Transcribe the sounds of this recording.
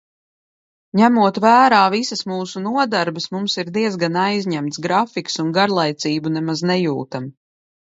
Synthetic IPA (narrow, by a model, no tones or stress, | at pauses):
ɲæmuɔt̪væːɾaːvisəsmuːsunuɔd̪aɾbəsmumsiɾd̪iɛzɡanajzʲɲæmt̪sɡɾafiksunɡaɾlˠajt̪siːbunɛmaznɛjuːt̪am